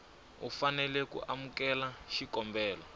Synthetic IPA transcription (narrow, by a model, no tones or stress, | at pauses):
ufanɛlɛkṵʔamukɛlaʃikɔmbɛːlɔ